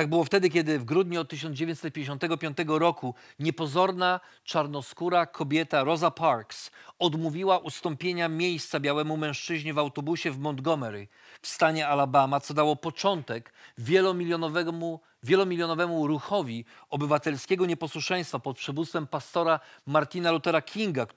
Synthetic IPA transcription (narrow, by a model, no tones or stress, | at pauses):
t̪aɡ̚bɘwɔft̪ɛd̪ɘkʲɛd̪ɘvɡɾud̪ɲuɔt̪̚t̪ːɘɕɔnd̪d͡ʑevʲjeɲt͡ɕ̪sɛt̪̚pʲjeɲd͡ʑeɕ̬ɔ̃nt̪ɛɡɔpʲjɔ̃nt̪ɛɡɔɾɔkuɲɛpɔzɔɾna | t͡ʂaɾnɔskuɾakʰɔbʲjɛt̪aɾɔzapaɾksɔd̪muvʲiwaʔust̪ɔ̃mpʲjeɲamʲjejst̪sabʲjawɛmumɛ̃w̃ʂt͡ʂɘʑɲivawt̪ɔbuɕɛvmɔnd̪ɡɔmɛɾi | fst̪aɲɛalabamat̪sɔd̪awɔpɔt͡ʂɔnt̪ɛkvʲɛlɔmʲijɔɔvɛmu | vʲjɛlɔmʲilʲjɔnɔvɛmuɾuxɔvʲi | ɔbɘvat̪ɛlskʲeɡɔɲɛpɔswuʂɛ̃j̃st̪fapɔt̪̚pʂɛvut̪st̪fɛmpast̪ɔɾamaɾt̪ʲinalut̪ɛɾakʲʰiŋɡa